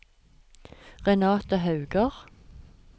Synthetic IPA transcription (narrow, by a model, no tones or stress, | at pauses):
ʁɛnɑːt̪əhɑʉɡəʁ